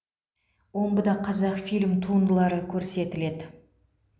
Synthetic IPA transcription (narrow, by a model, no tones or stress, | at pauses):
wo̞mbəd̪ɑqʰɑzɑqfilʲmt̪ʰuənd̪əlˠɑɾəkʲʰɵɾse̞t̪ɪle̞d̪ɪ